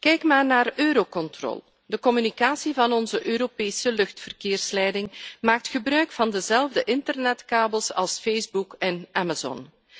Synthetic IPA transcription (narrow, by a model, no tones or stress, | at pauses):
kɛjkmaːrnaːrøːɾokɔntrɔ̰ːlˠ | dəkɔmynikaːsivɑnɔnzəʔøːɾopeːsəlɵxtfərkeːrslɛjdɪŋmaːk̚txəbrœɥkfɑndəzɛlˠvdəʔɪntərnɛtkaːbəlˠsɑ̰lˠsfejzbukɛnʔamazɔ̰n